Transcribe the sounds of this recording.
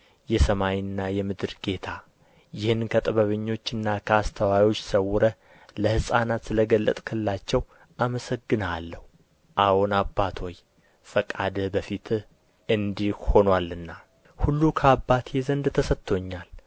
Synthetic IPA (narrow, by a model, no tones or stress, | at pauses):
jɛsəmajɨnːajɛmɨd̪ɨɾɡe̞t̪ʰa | jɪhɨnkʰət̪ʼɨβəβɨɲːo̞t͡ʃːɨnːakʰəast̪ʰəwajo̞t͡ʃːsəwʊɾə | ləhɨsʼanat̪sɨləɡəlːə̰t̪ʼkʰɨlɨlat͡ʃːɛw | ʔaməsəɡːɨnalːəhu | ʔawonabːat̪ʰo̞j | fəkʼa̰d̪bəfit̪ʰ | ɨnd̪iho̞nwalɨnːa | hulːukʰəabːat̪ʰjezənd̪t̪ʰəsət̪ʰːo̞ɲːal